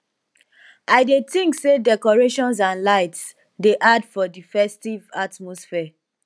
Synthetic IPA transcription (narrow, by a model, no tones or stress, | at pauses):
aɪdetĩŋksedɛkɔɹeʃɔ̃ns̬ãnlaɪts | deʔadfɔdifɛstivatmɔsfɛ